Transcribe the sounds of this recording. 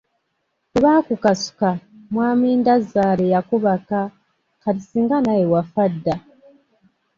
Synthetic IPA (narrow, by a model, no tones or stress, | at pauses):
eβaːkukasu̥kamwaːmiːndazaːlejakuβaka | katisiːŋɡanajewafadːa